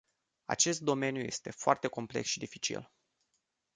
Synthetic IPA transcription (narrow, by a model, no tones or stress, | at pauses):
a̰t͡ʃe̞st̪̚d̪o̞me̞njuje̞̰st̪e̞foart̪eko̞mple̞ksʃid̪ifit͡ʃḭl